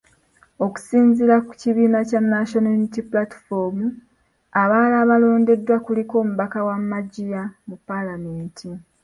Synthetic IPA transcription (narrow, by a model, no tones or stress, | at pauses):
o̞ku̥siːnziɾaku̥ciβiːnacanːaʃonalitipulati̥fomu | aβaːlaːβalo̞ːnde̞dːwakuliko̞ːmuβakawamːaɟijamupːalame̞ːntʰi